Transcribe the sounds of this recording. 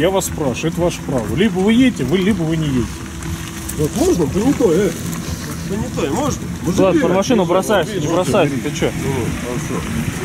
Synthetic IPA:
javaspɾaʂɛt̪əvaʂə̥pɾavəlʲibəvɨjedʲtʲɪvɨlʲibəvɨnʲɪjeɪtʲɪ | not̪moʐnət̪ənʲɪt̪oe | t̪ənʲɪt̪oɪmoʐnəmolˠad̪pɾəmɐʂɨnʊbɾɐsajɪt̪nʲɪbɾɐsajʊt̪ɛt̪ət͡ɕoɾɐɐʂo

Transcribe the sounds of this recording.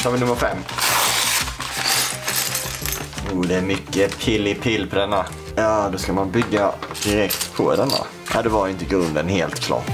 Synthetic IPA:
t̪ʰɑːvɪnɵmːəɾfɛmː | juːd̪ɛæɾmʏkːəpʰɪlːɪpʰɪlːpʰɔd̪ɛnːa | jaːd̪ɔskamanbʏɡːad̪̥ɪɾɛkt̪pʰɔ̰d̪ɛnːa̰ | ʔa̰d̪ɛvaɾɪnt̪əɡɵnd̪ənɦeːlt̪kʰlɑ̰ːʈ

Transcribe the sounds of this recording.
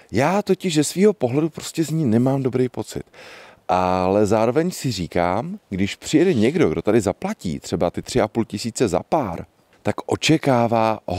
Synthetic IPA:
jaːt̪o̞cɪʒzɛsviːɦo̞po̞ɦlɛdupɾo̞̥scɛzɲiːnɛmaːmdo̞bɾejpo̞t͡sɪ̰t̪ʔalɛzaːɾo̞vɛɲsɪriːka̰ːmɡdɪʃpr̝̥ɪjɛdɛɲɛɡdo̞ɡdo̞t̪adɪzaplacḭːt̪r̥ɛbat̪ɪt̪r̥ɪʔapulcɪsiːt͡sɛza̰paːɾ | t̪akʔo̞t͡ʃɛkaːvaː

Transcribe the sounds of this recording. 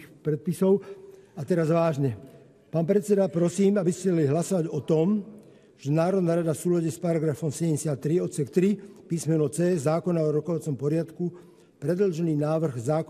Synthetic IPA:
pɾɛt̪̚pisɔʊat̪ɛɾazʋaːʒɲɛ | paːnpɾɛt͡sɛd̪apɾɔsiːmabiscɛd̪aliɦlasɔʋaɟɔt̪ɔm | ʒ̥ɛnaːɾɔd̪naːɾad̪afsuːlaɟɛspaɾaɡɾafɔmsɛɟɛmɛsjat̪ːɾiɔt̪sɛkt̪ɾipiːsmɛnɔt͡sɛːzaːkɔnaɔɾɔkɔʋat͡sɔmpɔɾɪat̪ku | pɾɛd̪l̩ʒɛniːnaːʋr̩ɣzaːk

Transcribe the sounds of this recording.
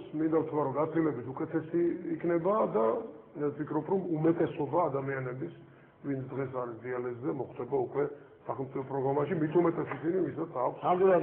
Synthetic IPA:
smind̪avt̪ʰaɾɔɡat̪sʰilɛbit̪ukʼɛt̪ʰɛsiːkʰnɛbad̪aɛpʰikʰɾɔpʰɾɔmumɛt̪ʼɛsɔbaːd̪amianɛbis | vint̪sʰd̪ʁɛsaɾisd̪ialɛzːɛmɔχd̪ɛbaukʼwɛ | saχɛlˠmt̪sʼipʰɔpʼɾɔɡɾamaʃimit̪ʰumɛt̪ʼɛsisinivisat̪sʰakʰʷsamula

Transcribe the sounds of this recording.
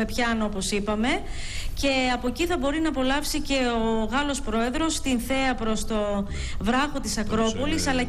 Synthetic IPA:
e̞pçɐno̞po̞sipɐme̞ | ce̞ɐpo̞ciθɐbo̞ɾinɐpo̞lɐfsice̞oɣɐlo̞spɾo̞e̞ðɾo̞st̪inθe̞ɐpɾo̞st̪o̞ | vɾɐxo̞t̪isɐkɾo̞po̞lisɐlɐ

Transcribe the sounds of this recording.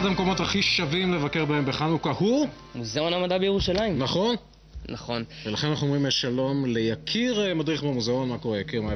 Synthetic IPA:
adamko̞mo̞thaχiʃavimle̞vakeʁbaembeχanukahu | muzao̞namad̪abejeʁuʃalaimnaχo̞n | naχo̞nvelaχenanaχnuomʁimeʃalo̞mlejakʰiʁemad̪ʁiχbamuzao̞nmako̞ʁejakiʁma

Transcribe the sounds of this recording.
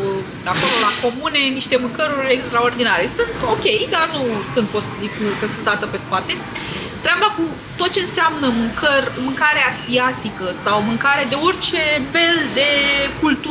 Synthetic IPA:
ako̞lo̞lako̞mune̞niʃt̪e̞mɨŋkəɾurʲekst̪ɾao̞rd̪inaɾesunt̪o̞kʲe̞jd̪arnusunt̪̚po̞t̪səzikkəsɨnt̪d̪at̪əpe̞spat̪e̞ | t̪ɾeabaku | t̪o̞t̪̚t͡ʃe̞ɨnseamnəmɨŋkərʲmɨŋkaɾeasiat̪ikəsawmɨŋkaɾead̪e̞orʲt͡ʃe̞fe̞ld̪e̞kult̪u

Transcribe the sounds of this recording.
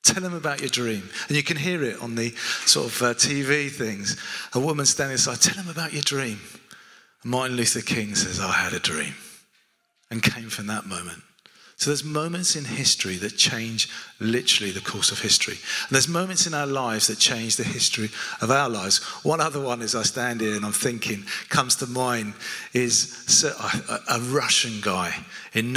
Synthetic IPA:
tʰɛlˠə̃məbaʊt͡ʃə˞dɹĩmɨ̃njɨkʰɨ̃nɦiəɹɪtn̩ðɨsɔ̰ɹɾʌvʌtʰiviθɪ̃ŋz̥əwʊmə̃nstæ̃ndɪ̃ŋsaɪd̚tʰɛlˠə̃məbaʊt͡ʃə˞dɹĩm | mɑˑɹʔnlʉθɨkʰɪ̃ŋsɛzaɪɨɾɨdɹḭ̃m | ɨ̃nkʰẽɪ̃ɱfɹʌ̃mðəʔ̚mõʊ̃mɨ̃nt | soʊðəzmõʊ̃mɨ̃ntsɨ̃nhɪstɹ̥iðɨt̚t͡ʃʰẽɪ̃nd͡ʒlɪtə˞l̩ˠiðɨkʰɔsʌv̥hɪstɹ̥ḭə̃n̩ðəzmõʊ̃mɨ̃ntsɨ̃naʊəlaɪvz̥ðɨt̚t͡ʃʰẽɪ̃nd͡ʒðɨhɪstɹ̥iʌvaʊəlaɪvz̥wʌ̃nʌðə˞wʌ̃nɨzaɪstæ̃ndɪ̃nɨ̃nãɪ̃mθɪ̃ŋkʰɪ̃ŋkʰʌ̃mz̥tʰəmãɪ̃nɪz̥səʔa̰ʔəɹʌʃɨ̃nɡaɪɨ̃nː

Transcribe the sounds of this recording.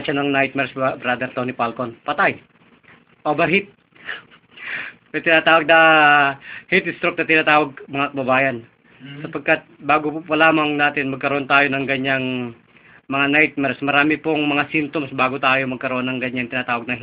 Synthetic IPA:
t͡ʃanɐŋnajt̪̚mɛɾsbbɾad̪ɛɾt̪onɪpalkonpɐt̪aj | ʔobɐɦit̪̚ | ɐt̪ɪnat̪aːwɐɡ̚nɐ | hit̪ɪst̪ɾok̚nɐt̪ɪnaːt̪aːwɐɡ̚mɐŋakɐbɐbaːjɐn | sɐpɐɡ̚kat̪̚baːɡopupɐlaːmɐŋnaːt̪ɪnmɐɡ̚kɐɾoont̪aːjonɐŋɡɐɲaŋ | mɐŋanajt̪̚mɛɾsmɐɾaːmɪpoŋmɐŋasimt̪omsbaːɡot̪aːjomɐɡ̚kɐɾoʔonːɐŋɡɐɲːaŋt̪ɪnaːt̪aːwɐɡ̚nɐɦ

